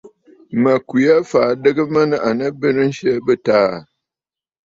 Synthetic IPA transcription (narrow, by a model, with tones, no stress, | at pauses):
mə˨kwi˨a˦faː˨dɨ˦ɡɨ˦mə˦nɨ˦ʔa˨nə˦bɨ˦nɨ˦n̩˦ʃə˦bɨ˦taː˦˨